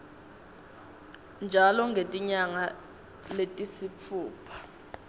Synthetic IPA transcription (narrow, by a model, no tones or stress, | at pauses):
nd͡ʒʱalɔŋɡʱetʼiɲaŋa | letʼisip̪ʰuːpʰḁ